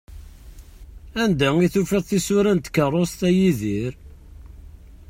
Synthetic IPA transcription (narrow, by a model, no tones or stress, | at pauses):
ænd̪æiθufæðˤθisʊɾænt̪kərˤːost̪æjiðiɾ